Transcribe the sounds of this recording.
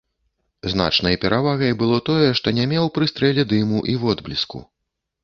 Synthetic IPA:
zna̰t͡ʂnɐjpʲɛɾʔavaɣɐjbɨlˠɔt̪ɔjɛʂt̪ɔnʲamʲɛwpɾɨst̪ɾɛlʲɛd̪ɨmuʔiwɔd̪blʲiskṵ

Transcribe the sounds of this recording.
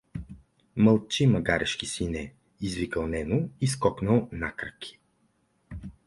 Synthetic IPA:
məlˠt͡ʃimɐɡaɾʔɛʃkisinɛ | izvikəlˠnɛnoiskɔknəlˠnakɾəkʲʰi̥

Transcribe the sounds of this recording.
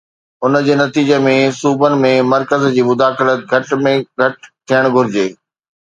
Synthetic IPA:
ʊnəd͡ʑeːnɐt̪iːd͡ʑəmẽsuːbənɪ̆mẽmɐɾkəzd͡ʑiːmʊd̪aːxɪlət̪̚ɡʱɐʈmẽɡʱɐʈt̪ʰːijəɽ̃ɡʱʊɾɪd͡ʑeː

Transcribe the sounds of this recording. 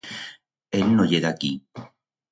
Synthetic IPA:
ennojeðaki

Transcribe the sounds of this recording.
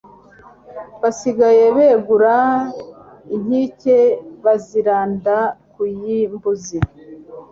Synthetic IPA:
βasiɡaje̞βe̞ːɡuɾa | iɦiceβaziɾaːndakujimbuzi

